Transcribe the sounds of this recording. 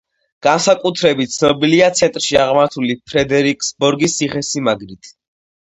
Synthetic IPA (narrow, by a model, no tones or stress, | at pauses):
ɡ̥ansakʼut̪ʰɾɛbit̪̚t̪sʰnɔbiliat̪sʰɛnt̪ʼɾʃiaʁmaɾt̪ʰulipʰɾɛd̪ɛɾikʰʼsbɔɾɡisiχɛsimaɡɾit̪ʰ